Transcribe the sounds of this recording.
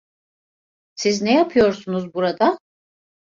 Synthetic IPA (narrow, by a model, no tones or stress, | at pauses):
siznɛjapʰɯjo̞ɾsunuzbuɾad̪a